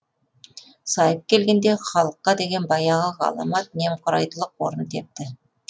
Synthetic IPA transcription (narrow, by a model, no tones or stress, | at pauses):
sɑjəp̚kʲʰe̞lɡʲe̞nd̪e̞χɑlˠəqːɑd̪e̞ɡʲe̞nbɑjɑʁəʁɑ̰lˠɑ̰mɑt̪̚ne̞mqʰʊɾɑjt̪əlˠəqwoɾənt̪ʰe̞p̚t̪ɪ